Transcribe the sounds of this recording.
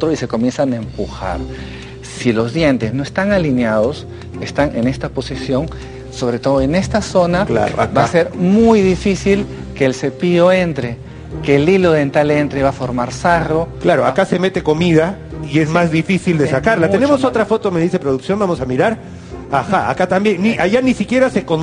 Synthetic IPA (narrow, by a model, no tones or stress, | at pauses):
t̪ɾoise̞ko̞mje̞nsanae̞mpuxa̰ɾ | silo̞zðje̞nt̪ezno̞est̪aŋalinjaðo̞s | est̪aŋe̞ne̞st̪apo̞sisjo̞ŋ | so̞βɾet̪o̞ðoene̞st̪aso̞nala̰o̰abase̞ɾmujðifisilkeːlse̞pio̞e̞nt̪ɾe̞ | keːlilo̞ðe̞nt̪ale̞nt̪ɾe̞βafo̞ɾmaɾsaro̞klaɾoakase̞me̞t̪e̞ko̞miða | ie̞zmazðifisild̪esakaɾlat̪e̞ne̞moso̞t̪ɾafo̞t̪o̞meðise̞pɾoðuksjo̞mbamo̞samiɾaɾ | axaa̰kat̪ambjeniaʝanisikje̞ɾase̞kon